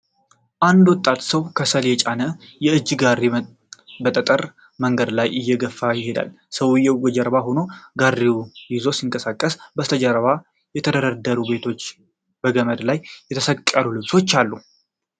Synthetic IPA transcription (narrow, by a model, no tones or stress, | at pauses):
ʔand̪wɔt̪ʼːat̪səwkʰəsəljɛt͡ʃʼanəjɛɨd͡ʒːɡarːi | bət̪ʼət̪ʼəɾ | məŋɡəd̪lajʔɨjːɛɡəfːajɪhe̞d̪a̰l | səwjɛwɡɔd͡ʒəɾβaɦono̞ɡarːiwjɪzo̞siŋkʼəsakʼːəsbəst̪ʰəd͡ʒəɾβa | jɛt̪ʰəd̪əɾəd̪əɾube̞t̪ʰo̞t͡ʃː | b̥əɡəməd̪lajjɛt̪ʰəsəkʼːalulɨβso̞t͡ʃːalːu